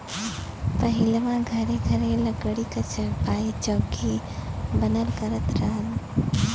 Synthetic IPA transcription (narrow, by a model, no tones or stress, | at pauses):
pɐɦɪlmãɡʱɐɾeɡʱɐɾeləɡəɽikɐt͡ʃəɾpaːit͡ʃoːɡi | bənəlkəɾət̪ɾaːn